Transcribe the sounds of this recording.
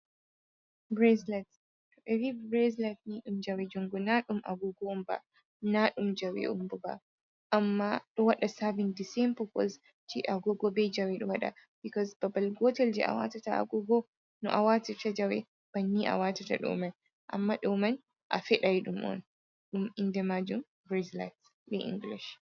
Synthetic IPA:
bɾɛzlat | ʔɛvibɾɛzlatniɗumd͡ʒawɛd͡ʒɔŋɡɔnaɗumʔa̰ɡɔɡɔɔmba̰ | naɗumd͡ʒawɛ̰ʔumbɔba̰ | ʔamːaɗɔwaɗasavɛndisɛmpɔkɔ̰z | d͡ʒiʔaɡɔɡɔbɛd͡ʒawɛɗɔwaɗa̰b̥ikɔzb̥ɐbɐlɡɔtɛld͡ʒɛʔa̰wa̰ːtɐtaa̰ɡɔɡɔ | nɔʔawatɛtɐd͡ʒɐwɛ | b̥ɐnːiʔa̰waːtɐtɐ̰ɗɔ̰man | ʔɐ̰mːaɗɔmɐn | ʔa̰fɛɗajɗumʔɔ̰n | ɗumindɛmad͡ʒum | bɾɛzla̰t | ɗɛʔḭ̃ŋɡliʃ

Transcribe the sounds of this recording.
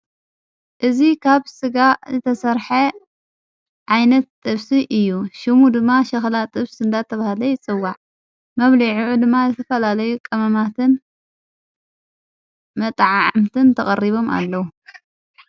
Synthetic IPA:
ʔɨzikʰaβsɨɡazɨt̪ʰɐsɐɾħɐ | ʕajnɐt̪ːʼɨβsiʔɨjːuʃɪmud̪ɨmːaʃɐxlat̪ʼɨβsɨnd̪at̪ʰɐβahlɐjɪt͡sʼɨwːaʕ | mɐβliʕuʕud̪ɨmːazɨt̪ʰɐfɐlalɐjukʼɐmɐmat̪ʰɨn | mɐt̪ʼʕaamt̪ʰɨnt̪ʰɐχʼɐ̰rːiβo̞ma̰lːɐwu

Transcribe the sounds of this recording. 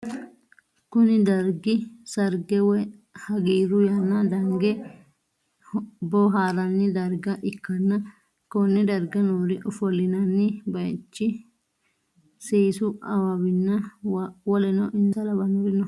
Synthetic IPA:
kʊnɪd̪ɐɾɡɪsɐɾɡɛwɔhɐɡiːɾʊjɐnːɐd̪ɐŋɡɛ | bɔɦaːɾɐnːɪd̪ɐɾɡɐʔɪkːɐnːɐ | kɔnːɛd̪ɐɾɡɐnuːɾɪʔɔfɔlːɪnɐnːɪbɐjt͡ʃːɪ | seːsʊʔɐwɐwɪnːɐwɔlɛnɔʔɪnsɐlɐbɐnʊɾɪnɔ

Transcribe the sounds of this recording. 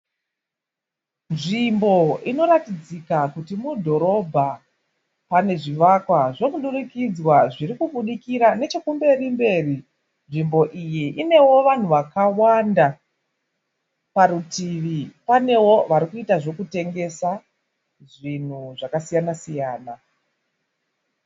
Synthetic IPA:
nʐimbo̞ino̞ɾatid͡zikakutimudʱo̞ɾo̞bʱa | pane̞ʐiʋakwaʐo̞kuɗuɾikid͡zwaʐiɾikuɓuɗikiɾane̞t͡ʃekumbe̞rimbe̞ːri | nʐimbo̞ʔijiʔine̞wo̞ʋan̤uʋakawanda | paɾutiʋipane̞wo̞ʋaɾikuitaʐo̞kute̞ŋɡe̞sa | ʐin̤uʐakasijanasijaːna

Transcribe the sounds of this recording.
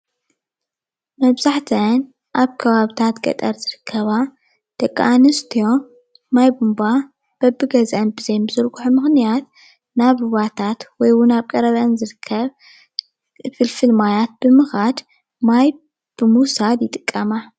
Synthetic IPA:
mɐβzaħt̪ʰɐn | ʔaβkʰɐβaβt̪ʰat̪ɡɐ̰t̪ʼɐɾzɨɾɨkʰːɐβa | d̪̥ɐkʼːa̰anɨst̪ʰijo̞ | majbumba | b̥ɐbɨɡɐzɐnbɨzɐjnbɨzɨɾɡʼuħumɨxnijat̪̚ | naβuβat̪ʰat̪wɔjwʊnaβkʼɐɾɐβɐnzɨɾɨkʰːɐβ | fɨlfɨlmajat̪̚b̥ɨmɨxad̪ | maj | b̥ɨmuwsad̪jɪt̪ʼɨkʼːɐma

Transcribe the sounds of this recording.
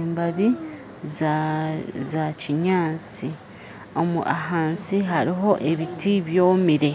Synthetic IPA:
mbaβi | z | zaciɲaːt͡si | o̞mṵʔaɦaːnsiɦaɾiɦo̞ʔe̞βitiβjo̞ːmiɾe̞

